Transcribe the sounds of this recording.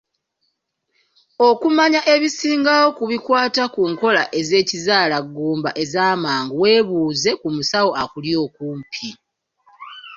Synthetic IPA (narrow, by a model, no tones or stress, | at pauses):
o̞kumaɲaʔe̞βisiːŋɡawo̞kuβikwaːtakuːŋko̞laʔe̞ze̞ːcizaːlaɡːuːmba̰ʔe̞zaːmaːŋɡuwe̞ːβuːze̞kumusawo̞ʔakuljo̞ːkuːmpʰi